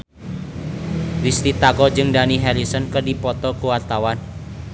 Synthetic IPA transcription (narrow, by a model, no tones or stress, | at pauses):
ɾist̪it̪aɡɔd͡ʒɨŋdaniɦɛlisənkədipɔt̪ɔkuwart̪awan